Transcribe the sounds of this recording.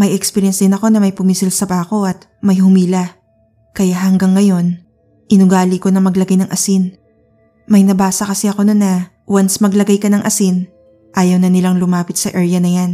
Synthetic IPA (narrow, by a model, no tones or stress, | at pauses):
mɐjɛkspɛɾjɛnsd̪ɪnɐko̞nɐmɐjpʊmiːsɪlsɐbako̞ʔɐt̪̚ | mɐjhʊmiːlɐ | kɐjahɐŋɡɐŋːɐjo̞n | ʔɪnʊɡaːliko̞nɐŋmɐɡlɐɡajnɐŋʔɐsin | mɐjnɐbaːsɐkɐsɛɐko̞nonːɐ | wansmɐɡlɐɡajkɐnɐŋʔɐsin | ʔaːjɐwnɐnɪlaŋlʊmaːpɪt̪̚sɐʔɛɹjɐnɐjan